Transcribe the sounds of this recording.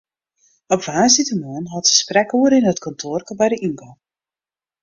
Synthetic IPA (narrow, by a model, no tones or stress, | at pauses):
ɔpvaːsitəmuənɦɔtə̥sprɛkuəɾɪnətkʰɔntʰoːrkəbɛjdəʔiŋko